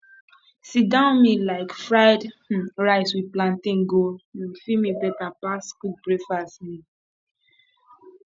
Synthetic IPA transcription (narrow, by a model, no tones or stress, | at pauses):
sidãʊ̃nmilaɪkfɹaɪdɹaɪswid̚plãntĩŋɡoãfimibɛtapaskuk̚bɹefasni